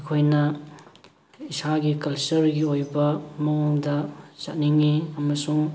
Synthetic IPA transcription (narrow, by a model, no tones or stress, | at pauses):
ɐkʰojnɐ | isaɡikɐlsɐɾɡiojbɐmɐŋoŋdɐsɐt̚niŋiɐmɐsuŋ